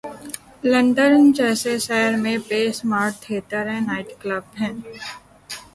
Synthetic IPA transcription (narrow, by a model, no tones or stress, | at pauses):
lə̃ɳɖəɾnd͡ʒɛːsesɛːɾmẽbeːsmaːɾʈ̚t̪ʰeːt̪əɾɦɛ̃naːɪʈkləbɦɛ̃ː